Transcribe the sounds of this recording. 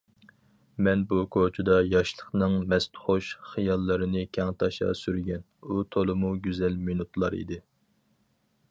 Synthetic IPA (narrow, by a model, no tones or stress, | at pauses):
mɛnbukʰot͡ʃʰud̪ɑjɑʃlˠəχnɨŋmɛst̪χoʃχijɑlˠːɨɾɨnɨkʲʰɛŋt̪ʰɑʃɑ̰syɾɡʲɛnut̪ʰolˠɨmuɡʲyzɛlminut̪lˠɑɾḭd̪ɪ